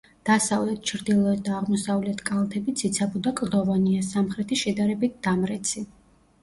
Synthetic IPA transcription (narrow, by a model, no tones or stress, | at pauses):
d̪̥asavlɛt̪̚ʰt͡ʃʰɾd̪ilˠɔɛt̪̚d̪aːʁmɔsavlɛt̪ʰkʼalˠt̪ʰɛbit̪sʰit̪sʰabɔd̪akʼd̪ɔvaniasamχɾɛt̪ʰiʃɛd̪aɾɛbit̪̚d̪̥amɾɛt̪sʰi